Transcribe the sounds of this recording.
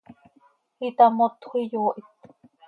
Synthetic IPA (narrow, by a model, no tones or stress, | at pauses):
it̪amot̪hʷijoːʔit̪